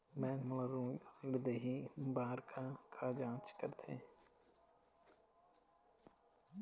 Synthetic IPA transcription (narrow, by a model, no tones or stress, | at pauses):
mɛ̃ːkmələɾũːɪɽd̪eːɦibaːɾkʰakʰad͡ʒãːt͡ʃkəɾt̪ʰḛː